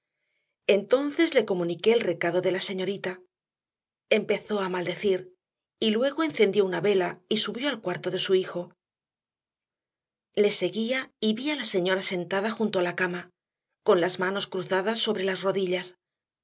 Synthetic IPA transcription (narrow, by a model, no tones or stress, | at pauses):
e̞nt̪o̞nθe̞zle̞ko̞mũnike̞ːlre̞kaðo̞ðe̞lase̞ɲo̞ɾit̪a | e̞mpe̞θo̞amald̪e̞θiɾ | ilwe̞ɣ̞o̞e̞n̟θe̞nd̪jo̞unaβe̞laisuβjo̞alkwaɾt̪o̞ðe̞suixo̞ | le̞se̞ɣiaiβialase̞ɲo̞ɾase̞nt̪aðaxunt̪o̞alakama | ko̞nlazmano̞skɾuθaðasːo̞βɾe̞lazro̞ðiʎas